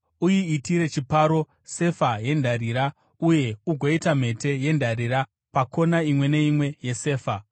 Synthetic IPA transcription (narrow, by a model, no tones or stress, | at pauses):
ujiitiɾe̞t͡ʃipaɾo̞ | se̞faje̞ndʱaɾiɾa | uje̞uɡʱoitam̤e̞te̞je̞ndʱaɾiɾa | pakʰo̞naimwe̞ne̞imwe̞je̞se̞ːfa